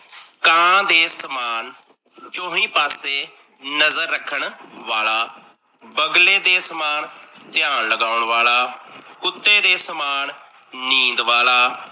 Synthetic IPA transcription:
kãːd̪eːsəmaːn | t͡ʃõːɦĩːpaːseː | nəzəɾːəkʰəɳʋaːlaː | bəɡleːd̪eːsəmaːnt̪ɪjaːnləɡaːʊɳʋaːlaːkʊt̪ːeːd̪eːsəmaːn | nĩːnd̪ʋaːlaː

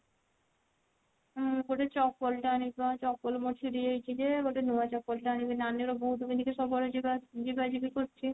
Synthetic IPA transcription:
ɡoʈat͡ɕɔk̚polʈaanibat͡ɕɔk̚polmoʈt͡ʃʰiɾid͡ʑojt͡ɕʰid͡ʑeɡoʈanuat͡ɕɔk̚polʈaanibinanːeɾabud̪ʱumid̪ikeʃɔbɔɾed͡ʑibad͡ʑibad͡ʑibikoɾt͡ɕʰi

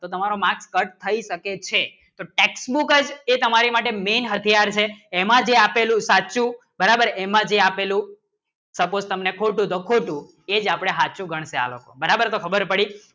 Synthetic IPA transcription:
t̪ot̪əmaɾomakskəʈ̚t̪ʰəiʃəket͡ʃʰe | t̪oʈeksbukəd͡ʒet̪əmaɾimaʈemenɦət̪ʰijaɾt͡ʃʰeːmãd͡ʒeapelũsat͡ʃũ | bəɾabəɾemãd͡ʒeapelũ | səpod͡ʒt̪əmnekʰoʈũt̪okʰoʈũ | ed͡ʒapɽ̃eɦat͡ʃũɡʱəɳ̃sea̰lo̰ko̰bəɾabəɾt̪okʰəbəɾpəɽi

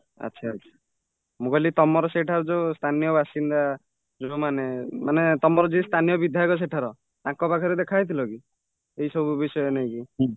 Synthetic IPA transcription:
a̰ʃʰaːtt͡ʃʰḁ | mũkɔlit̪ɔmɔɾɔseʈʰaɾɔd͡ʒost̪ʰanijɔbʱasind̪a | d͡ʒomanemanet̪ɔmɔɾɔd͡ʒist̪ʰanijɔbid̪ʱjajkɔs̬eʈʰaɾɔ | t̪ãkɔpakʰɔɾed̪ekʰajt̪ʰilɔki | eisɔbʱubisɔjɔnaj̃ki

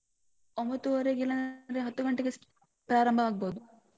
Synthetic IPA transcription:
ombɐt̪ːuʋɐɾeɡilɐnɾeɦɐt̪ːuɡɐɳʈːeɡes | pɾaːɾɐmbʱɐaːɡ̚boːd̪u

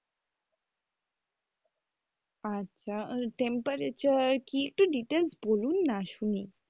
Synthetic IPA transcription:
atːt͡ɕʰaʈẽmpəɾet͡ɕəɾkiek̚ʈoɖiʈelsboluːnːaɕuni

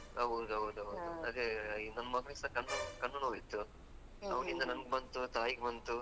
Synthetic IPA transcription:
ɐʋud̪uɐud̪uɐʋud̪uɐd̪enɐnːɐmɐɡɐnisɐkɐnːɐkɐnːɐnuɐjt̪ːu | ɐʋɐnind̪ɐnɐnɡebɐnt̪ut̪aːjiɡebɐnt̪u

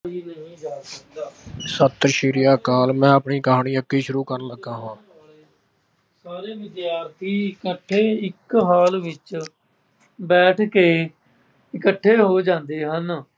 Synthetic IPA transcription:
iːnəɦĩːd͡ʒaːsək̚d̪aːsət̪ɾʃiːɾɪjaːkaːlmɛ̃ːəpɳiːkəɦaːɳiːəkːiːʃʊɾuːkəɾnləɡãːɦãː | saːɾeːʋɪd̪jaːɾt̪ʰiːɪkəʈʰːeːɪkɦaːlʋɪt͡ʃ | bɛːʈʰkeː | ɪkəʈʰːeːɦoːd͡ʒãːnd̪eːɦən

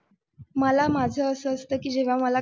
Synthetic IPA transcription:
məlamad͡zʱəəsəːst̪əkiːd͡ʑeʋ̤aməla

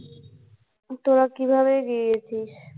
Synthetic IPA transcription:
t̪oɾakibʱaβeɡiijet͡ɕʰiʃ

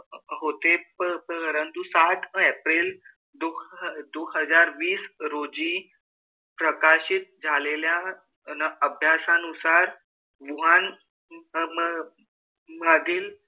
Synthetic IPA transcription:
ɦot̪epəpəəɾənt̪usaʈ̪ʰɛpɾil | d̪od̪oɦəd͡zaɾʋiːsɾod͡ʑi | pɾəkaɕit̪̚d͡zʱalelja | nəbʱjasãnusaɾ | ʋuɦan | məd̪ʱiːl

